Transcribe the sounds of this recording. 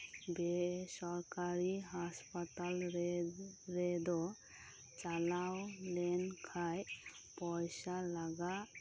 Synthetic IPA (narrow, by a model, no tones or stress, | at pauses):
besɔɾkaɾiɦaspat̪al | ɾed̪ɔ | t͡ʃalawlɛnkʰaj | pɔjsalaɡa